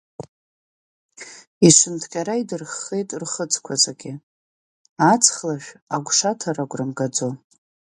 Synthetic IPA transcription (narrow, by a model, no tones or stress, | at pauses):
iʃʷɨntʰɡʲʼaɾaidɨrχːe̞jtʼrχət͡sʼʰkʷʰazʼaɡʲɪ | at͡sʰχlaʃᶣaɡʷʂatʰaraɡʷʼrɨmɡad͡zo